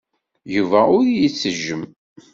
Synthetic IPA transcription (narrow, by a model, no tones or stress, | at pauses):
juvæʊɾjit͡sːəʒːəm